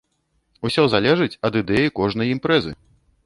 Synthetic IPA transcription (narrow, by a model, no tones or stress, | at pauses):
usʲɔzalʲɛʐɨt͡sʲɐd̪ɨd̪ɛjikɔʐn̪ɐjimpɾɛzɨ̰